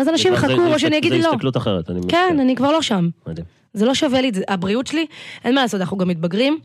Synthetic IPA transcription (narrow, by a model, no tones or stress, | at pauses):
azanaʃimχakuʁoʃeanijaɡid̪lo̞klut̪aχeʁet̪a̰nḭkenanikvaʁloʃammd̪i | zelo̞ʃavelizeʔabʁiutʃeliʔe̞nmalaːsot̪ananuɡamit̪̚baɡʁim